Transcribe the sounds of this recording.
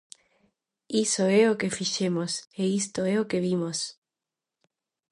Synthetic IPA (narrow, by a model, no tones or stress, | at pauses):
isoɛokefiʃemoseist̪oɛokeβimos